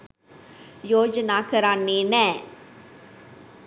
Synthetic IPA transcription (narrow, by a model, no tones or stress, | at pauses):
joːd͡ʒnakəɾaːnenɛ̃ː